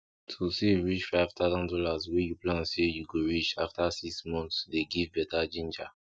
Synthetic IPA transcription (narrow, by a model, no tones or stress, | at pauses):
tʰuseɹit͡ʃfaɪv̥t̪ʰaʊzɔ̃ndɔlazwɛjuplãnsejuɡoɹit͡ʃaftasiksmɔ̃ntsdeɡivbɛtad͡ʒĩnd͡ʒa